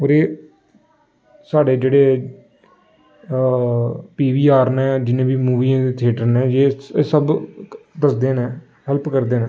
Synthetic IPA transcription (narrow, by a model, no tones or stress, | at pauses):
oːɾeː | saːɖeːd͡ʒeːɽeː | piːʋiːaːɾnɛ̃ːd͡ʒɪnẽːbiːmuːʋiːãːd̪eːt̪ʰeːʈəɾnɛ̃ːd͡ʒeːsəbd̪əsd̪eːnɛ̃ː | hɛlpkəɾd̪eːnẽ